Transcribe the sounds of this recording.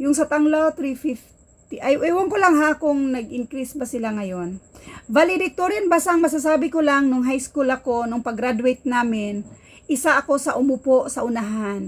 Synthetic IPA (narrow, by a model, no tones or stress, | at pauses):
jʊŋsɐt̪aŋlot̪ɾifɪf | t̪iʔajʔwoŋkolaŋɦakʊŋnɐɡʔɪŋkɾisbɐsɪlaŋɐjo̞nvalɪd̪ɪt̪oɾɪnbasaʔɐŋmɐs̬as̬aːbɪkolaŋnʊŋɦajskulɐko̞nʊŋpɐɡɾad̪ʊɛjt̪̚naːmɪn | ʔɪsaʔɐko̞sɐʔʊmʊpoʔsɐʔʊnaɦan